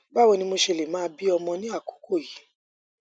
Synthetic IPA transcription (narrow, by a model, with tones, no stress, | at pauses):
ba˦wɔ˧nĩ˧mo˧ʃe˧˨le˨mãː˦˧˦bi˦ɔ˧mɔ̃˧nĩ˦a˦˨ku̥˨˦ko˦˨ji˨˦